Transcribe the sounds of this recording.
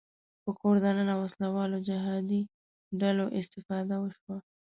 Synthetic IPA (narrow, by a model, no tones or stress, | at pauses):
pəkoɾd̪ananawaslawɑlod͡ʒɪɦɑd̪i | ɖaloʔɪst̪ɪfɑd̪awəʃwa